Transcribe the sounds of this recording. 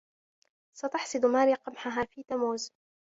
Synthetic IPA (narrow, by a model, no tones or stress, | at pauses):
sat̪ɑħsˤɨd̪maːɾiːqɑmħaɦaːfiːt̪amuːz